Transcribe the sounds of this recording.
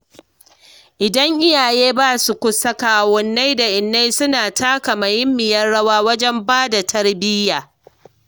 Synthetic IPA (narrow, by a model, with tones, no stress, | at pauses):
ʔɪ˨dɐ˦ŋʔɪ˦jaː˨jeː˦baː˦su˨kʷʊ˦sɐ˦kaː˨wɔ˦nːa˦jda˨ʔɪ˨nːa˦jsʊ˦naː˨tʰaː˦ka˨mɐ˨jɪ˦mːɪ˨jɐ˦rɽɐ˦waː˦wɐ˦d͡ʒɛ˦mbaː˦da˨tʰɐ˦rbɪ˦jaː˨